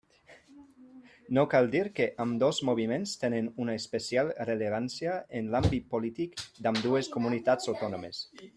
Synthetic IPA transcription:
nokald̪iɾkeʔamd̪ozmoβ̞imenst̪enenunaespesjalreleβ̞ansjaenlambit̪̚polit̪ikd̪amd̪ueskomunit̪at͡sawt̪ɔnomes

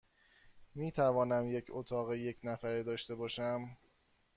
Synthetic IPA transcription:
miːt̪ʰævɒːnæmje̞cʰot̪ʰɒːɣeje̞cʰnæfæɾiːd̪ɒːʃt̪e̞bɒːʃæm

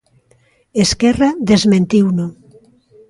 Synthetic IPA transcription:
eskɛraðezmẽnt̪iwno

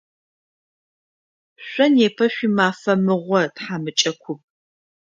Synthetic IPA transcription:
ɕʷʼɔnjeːpʰɐɕʷimaːfɐmɨʁʷɔtħaːmɨt͡ʃʼɐkʷʰʊp̚

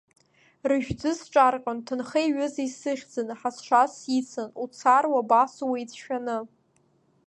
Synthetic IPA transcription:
rɨʒᶣd͡zɨsʈ͡ʂʼarqʲʼʊntʰɨnχejɥʏzaisɨχʲd͡zɨnɨħasʂʷasjit͡sʰɨnut͡sʰarwabasuwajt͡sʰʃᶣanɨ

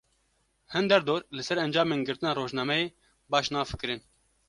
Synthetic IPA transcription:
hɛnd̪ɛɾd̪oːɾlɨsɛɾɛnd͡ʒɑːmeːnɡɨɾt̪ɨnɑːɾoːʒnɑːmɛjeː | bɑːʃnɑːfɨ̥kɨɾɨn

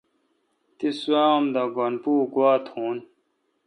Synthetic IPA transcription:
t̪isuaːomd̪aɡonpuːkwaːt̪ʰhuːn

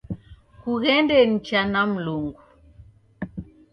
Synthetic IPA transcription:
kuɣɛndɛn̩t͡ʃanam̩loŋɡu

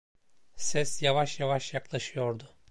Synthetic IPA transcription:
sɛsjavaʃjavaʃjaklˠaʃɯjo̞ɾd̪ʊ

